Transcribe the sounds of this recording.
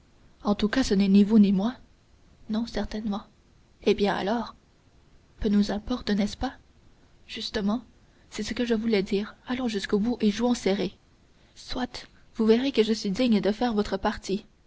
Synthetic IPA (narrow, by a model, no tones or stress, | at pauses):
ɑ̃t̪ukasənɛnivunimwa | nɔ̃sɛʁt̪ɛnmɑ̃ | ebjɛ̃a̰lɔːʁ | pønuzɛ̃pɔʁt̪nɛspa | ʒ̥yst̪əmɑ̃ | sɛsəkəʒəvulɛd̪iːʁalɔ̃ʒyskobuʔeʒuɔ̃sɛʁe | swat̪ | vuveʁekəʒəsɥid̪iɲd̪əfɛːʁvɔt̪χəpaʁt̪i